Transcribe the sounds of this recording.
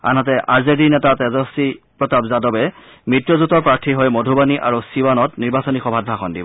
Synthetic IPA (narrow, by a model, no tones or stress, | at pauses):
a̰nɦɔt̬ɛʔaɹzedinɛtatɛzɔsipɹɔtabzadɔbɛ | mitɹɔzutɔɹpɹaɹtʰiɦɔjmodʱubaniʔaɹusiwanɔtniɹbasɔnixɔbʱad̚bʱaxɔndḭbɔ